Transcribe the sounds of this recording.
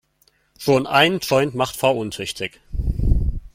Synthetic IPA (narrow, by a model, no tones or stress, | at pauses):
ʃoːnʔa̰ɪnəntɔʏntmaχtfaʔʊntʰʏçtʰɪk